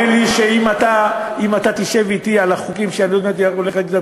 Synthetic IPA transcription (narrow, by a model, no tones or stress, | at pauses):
enliʃeimat̪aimat̪at̪iʃe̞vit̪ialaχukimʃeanilod̪meet̪oleχeza